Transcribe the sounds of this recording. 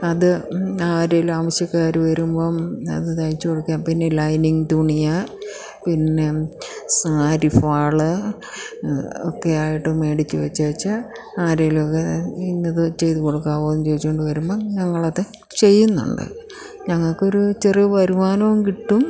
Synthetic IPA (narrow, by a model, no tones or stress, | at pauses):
ɐðɨaːɾelɐmɐsjɐkːaːɾuʋɐɾumbomɐ̰ðɨnɐjit͡ɕːɨkoɽukːjaːmpinːelɐjniŋt̪uɳija | pinːe̞saːɾifaːɭɨ | okːe̞aːjiʈːɨme̞ːɽit͡ɕːɨʋɐt͡ɕːɐɐt͡ɕːa | aːɾejlokːeinːɐðɨt͡ɕe̞jt̪ukoɽukːaːʋoːumt͡ɕe̞jit͡ɕːkoɳɖɨʋɐɾumboɲɐŋːɐɭɐðɨ | t͡ɕe̞jːunːṵɳɖɨ̰ | ɲɐŋːɐɭko̞ɾut͡ɕeriʋɐɾumaːnɐʋumkiʈːum